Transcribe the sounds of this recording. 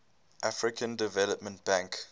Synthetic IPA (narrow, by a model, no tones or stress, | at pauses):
ʔafɹɪkʰə̃ndɪvɛləpmə̃nt̚b̥ãŋk